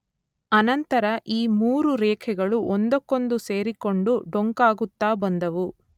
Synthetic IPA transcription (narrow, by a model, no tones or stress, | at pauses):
ɐnɐnt̪ɐɾɐʔiːmuːɾuɾɛːkʰɛɡɐɭuʔond̪ɔkːo̞nd̪use̞ːɾiko̞ɳɖuɖoŋkaːɡut̪ːaːbɐnd̪ɐʋu